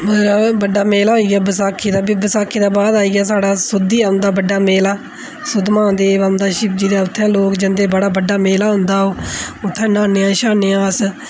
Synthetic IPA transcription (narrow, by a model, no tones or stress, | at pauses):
məɾaːbəɖːaːmeːlaːɦoiːɡaːbəsaːkʰːiːd̪aːbiːbəsaːkʰːiːd̪aːbaːd̪aːiːɡaːs̬aːɽaːsʊd̪iːaːʊ̃nd̪aːbəɖːaːmeːlaː | sʊd̪mãːd̪eːband̪aːʃɪp̚d͡ʒid̪aːʊt̪ʰːãːloːkd͡ʒənd̪eːbəɽaːbəɖːaːmeːlaːɦʊ̃nd̪aːoːʊt̪ʰːãːnãːneːãːʃaːneːãːs